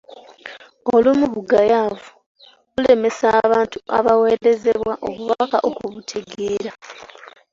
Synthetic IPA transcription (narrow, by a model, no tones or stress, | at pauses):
olumuβuɡajaːvu | βule̞me̞saːβaːntua̰βawe̞ːɾe̞ze̞βwwaʔo̰βuβakaʔokuβutʰe̞ɡe̞ːɾa